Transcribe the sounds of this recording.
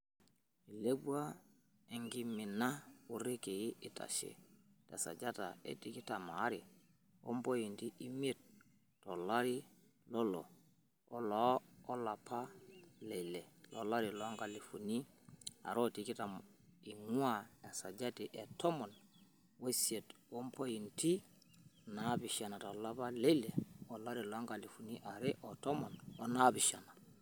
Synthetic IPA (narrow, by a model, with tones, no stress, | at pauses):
i˨le˦bu˦a˦ | e˨ŋɡi˦mi˨na˦u˨ɾe˦ke˨ji˦i˨ta̰˨ʃḛ˨tḛ˨sa̰˨d͡ʒa˦ta̰˨ḛ˦ti˦ki˦ta˨ma˨˦ɾi˨ | o̰˦mbo˦ji˨ndi˦ʔi˦mi˦e˦˨t̚ | to˨la˦ɾi˦ | lo˦lo̰˨ | o˦loː˨˦la˨pa˦le˨le˨lo˨la˦ɾi˨lo˨˦ŋɡa˨li˨fu˨ni˦a̰˨ɾo˦ti˨ki˦ta˨m | i˨ŋu˦a˦e˨sa˨d͡ʒa˦ti˨ʔe˨to˦mo˨n | we˦sie˨two˦mpo˦ji˨nti˦ | nabi˨ʃa˨na˨to˨la˦pa˦le˦le˨o˨la˦ɾi˨lo˨a˦ŋɡa˨li˨fu˨ni˦ʔa˨ɾe˦ʔo˨to˦mo˨no˦na˦biʃa˨na˨